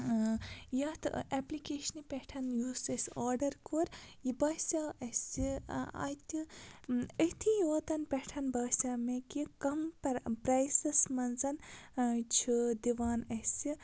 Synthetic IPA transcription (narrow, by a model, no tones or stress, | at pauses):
jɐt̪ʰʔeplikeːʃɐnipʲɛʈʰɐnjuːsɐsʲaːɾɖɐɾkoːɾjibɐsʲaɐsiɐ̰t̪ʲi | əht̪ʰijoːd̪ɐnpɛʈʰɐnbɐːsʲamekikɐmppɾajsɐsmɐnzɐn | t͡ʃʰid̪iʋaːnɐsi